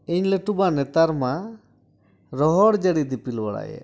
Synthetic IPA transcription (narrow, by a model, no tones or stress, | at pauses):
iɲlɛʈubanɛt̪aɾma | ɾɔɦɔɽd͡ʒəɽid̪ipilbaɽa̰jɛ̰